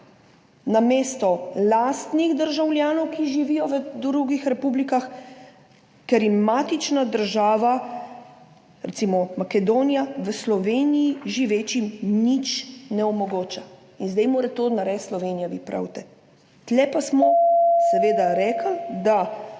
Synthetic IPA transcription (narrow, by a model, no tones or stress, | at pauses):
nameːst̪ɔlaːst̪niɣd̪əɾʒawlʲjaːnɔwkiʒiʋijɔʋəd̪ɾuɡixɾɛpublikax | kɛɾjimat̪it͡ʃnad̪əɾʒaːʋa | ɾɛ̰t̪simɔmakɛd̪oːnijaʋəslɔʋeːnijiʒiʋeːt͡ʃimnit͡ʃnɛɔmɔɡoːt͡ʃa | inzd̪ɛjmoːɾɛt̪onaɾɛsslɔʋeːnijaʋiːpɾʔa̰wt̪ɛ | t̪lɛpasmɔsɛʋeːd̪aɾɛːkʰəld̪a